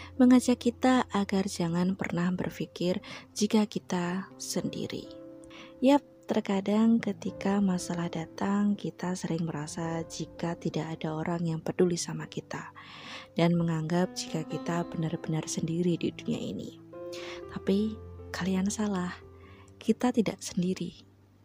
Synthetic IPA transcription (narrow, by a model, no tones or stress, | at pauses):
məŋad͡ʒakːit̪aʔaɡard͡ʒaŋanpə̰rnahbə̰rfikɪrd͡ʒikakit̪asəndḭɾḭ | jap̚t̪ərkadaŋkət̪ikamasalahdat̪aŋkit̪asəɾɪŋməɾasad͡ʒikat̪idaʔːdaoɾaŋjaŋpədulisamakit̪a | d̥anməŋaŋɡap̚d͡ʒikakit̪abənarbənarsəndiɾididunia̰ḭnḭ | t̪apikaliansalahkʰit̪at̪ida̰ʔsəndiɾi